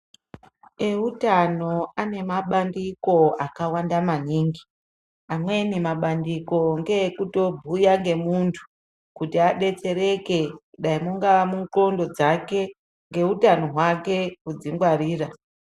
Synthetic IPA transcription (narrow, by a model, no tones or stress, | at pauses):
e̞utano̞ane̞maɓandiko̞akawandamaniːŋɡi | amwenimaɓandiko̞ŋɡe̞kuto̞bʱujaŋɡe̞muntʰu̥ | kutiaɗe̞t͡se̞ɾe̞ke̞kuɗaimuŋɡaʋamuŋkro̞ndo̞d͡zake̞ | ŋɡe̞utano̞ɦwake̞kud͡ziŋɡwaɾiːra